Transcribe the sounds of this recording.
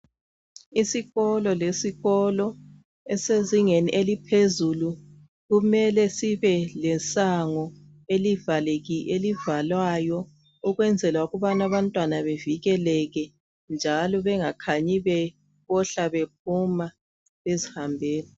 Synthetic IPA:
isiɣɔlɔlesiɣɔlɔ | ɛseziŋeniʔelipʰezulu | ɣumɛlɛsiβɛlɛsaŋɔ | elivaleɣiʔelivalwajɔ | uɣwɛnd͡zʱɛlwauɣuβanaβantʼwanaβeviɣɛlɛɣɛ | nd͡ʒʱalɔβɛŋakʰaɲiβɛ | βɔɬaβep̚ʰuma | βezihambʱeːni

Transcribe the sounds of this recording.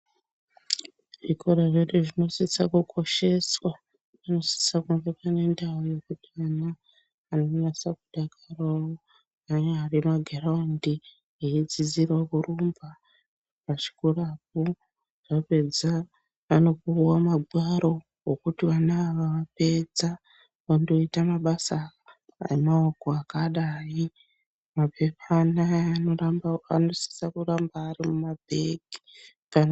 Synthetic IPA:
ʐikʰoɾaʐeɗeʐino̞sisakukʰo̞ʃe̞swa | ʋano̞si̥sakumbekane̞ndaoje̞kutiana | anonasakuɗakʰaroo | anearimaɡʱaraundi | eid͡zid͡zirwakurumba | pat͡ʃi̥kurapu | ʐ̥ape̞d͡za | ano̞kuwamaɡʱwaɾo̞ | ɦokutiʋanaːʋaʋape̞d͡za | ʋando̞itamaɓasa | a̰emaokoakaɗaːi | mape̞pana | a̰no̞si̥sakurambaːɾimumabʱeɡi̥ | kan

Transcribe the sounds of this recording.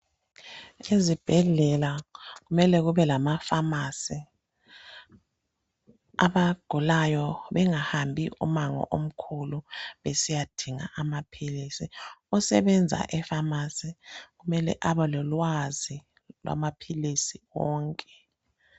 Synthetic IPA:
ezib̥ʱɛɮɛlaɣumɛlɛɣuβɛlamafamasi | a̰βaɡ̥ʱulajɔβɛŋahambʱiʔṵmaŋɔ̰ʔom̩kʰuluβesijad̥ʱiŋa̰ʔamapʰilisiɔsɛβɛnd͡zʱa̰ʔɛfamasiɣumɛlɛ̰ʔaβɔlɔlwazi | lwa̰mapʰilisiwɔːŋkʼɛ

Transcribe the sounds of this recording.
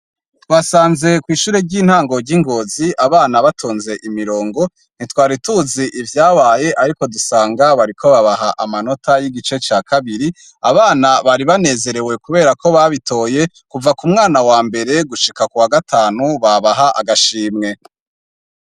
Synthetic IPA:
twaːsaːnze̞kwiːʃuːɾe̞ɾɟiːn̥haːŋɡo̞ɾɟiŋɡo̞ːziʔaβaːnaβatʰoːnze̞ʔimiɾo̞ːŋɡo̞ | n̥itwaːɾituziʔivjaːβaːje̞ʔaɾiko̞dusaːŋɡaβaɾikʰo̞βaβaɦaʔamano̞tʰajiɡit͡ʃe̞t͡ʃaːkʰaβiɾi | aβaːnaβaɾiβane̞ːze̞ɾe̞we̞kuβe̞ːɾako̞βaβitʰo̞ːje̞ | kuvakumŋaːnawaːmbe̞ɾe̞ɡuʃikakuwaɡatʰaːnuβaβaɦaʔa̰ɡaʃiːmŋe̞

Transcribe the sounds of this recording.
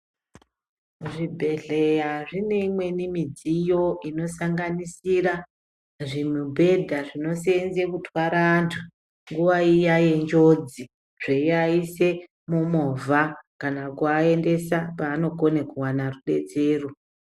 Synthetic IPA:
ʐibʱe̞ɮe̞jaʐine̞imwe̞nimid͡zijo̞ino̞saŋɡanisira | ʐimubʱe̞dʱaʐino̞senzekutʰwaɾaːntʰu | ŋɡuʋaijaje̞nd͡ʒo̞d͡zi | ʐ̥eiaise̞ | momovʱakanakuaende̞sapaːno̞ko̞nekuwanaruɗe̞t͡se̞ːro

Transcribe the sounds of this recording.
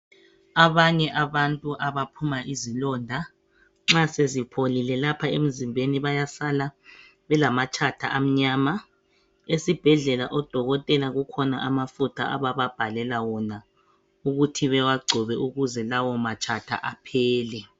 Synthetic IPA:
aβaɲɛʔaβantʼuʔaβapʰumaʔizilɔndʱa | ŋ͡ǁasezipʰolilɛlapʰaem̩zimbʱeniβajasala | βɛlamat͡ʃʼʰatʰaʔam̩ɲaːma | esib̥ʱɛɮɛlaʔɔd̥ʱɔɣɔtʼɛlaɣukʰɔnaʔamafutʰa̰ʔa̰βaβab̥ʱalɛlawɔna | uɣutʰiβɛwaɡ͡ǀʱɔβɛʔuɣuzɛlawɔmat͡ʃʼʰatʰa̰ʔapʰɛːlɛ

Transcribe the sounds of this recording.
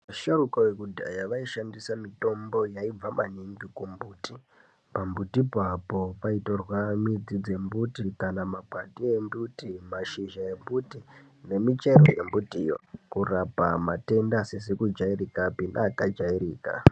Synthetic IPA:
maʃarukawekudʱa̰jaʋaiʃandisamito̞mbo̞jaib͡vamaniŋɡikumbuːti | pambutipapo̞paitorwamid͡zid͡ze̞mbutikanamaɡʱwatie̞mbutimaʃiʒae̞mbuti | ne̞mit͡ʃe̞ro̞̰je̞mbutijo̰kurapamate̞ndasesekud͡ʒairikapinaːkad͡ʒairiːka̰

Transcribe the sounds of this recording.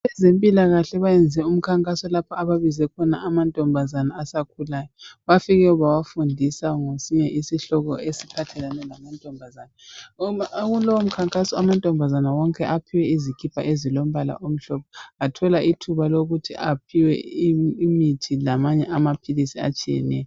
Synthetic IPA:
βɛzempʼilaɣaɬɛβajɛnd͡zʱɛum̩kʰaŋkʼasɔlapʰaaβaβizɛkʰɔnaʔamantʼɔmbʱazanaasakʰulaːjɔβafiɣɛuβawafundʱisaŋosiɲɛʔisiɬɔɣɔʔesipʰatʰɛlanɛlamantʼɔmbʱazana | ɣulɔwom̩kʰaŋkʼasɔamantʼɔmbʱazanawɔŋkʼɛʔapʰiwɛizikʰʼipʰa̰ʔezilom̩βala̰ʔom̩ɬɔp̚ʰɔatʰɔlaʔitʰuβaloɣutʰḭʔap̚ʰiwɛ̰imitʰilamaɲɛʔamapʰilisia̰t͡ʃʼijɛ̰nɛ̰jɔ

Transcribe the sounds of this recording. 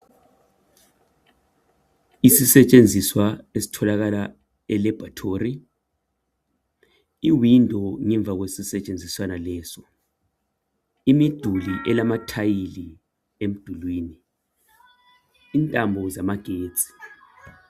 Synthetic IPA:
isisɛt͡ʃʼend͡zʱiswaesi̥tʰɔlaɣ̬ala | ɛlɛb̥ʱatʰoːri | iwindʱɔŋɛɱb̪vʱaɣ̬wesisɛt͡ʃʼend͡zʱiswanalɛːsɔ | imid̥ʱuliʔɛlamatʰajili | em̩d̥ʱulwiːni | ntʼambʱɔzamaɡ̥ʱe̥ːt͡sʼi̥

